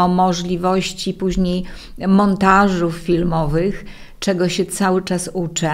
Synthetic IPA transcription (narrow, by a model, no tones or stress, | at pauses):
ɔmɔʐlʲivɔɕt͡ɕipuʑɲej | mɔnt̪aʐufːʲilmɔvɘx | t͡ʂɛɡɔɕɛt̪sawɘt͡ʂasut͡ʂɘ